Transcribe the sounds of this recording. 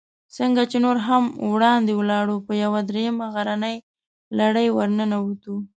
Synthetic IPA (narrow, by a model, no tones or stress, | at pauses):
səŋɡat͡ʃenoɾɦamwɽɑnd̪ewəlɑɽupəjawad̪ɾejəmaɣaɾanəj | laɽəjwəɾnənawut̪u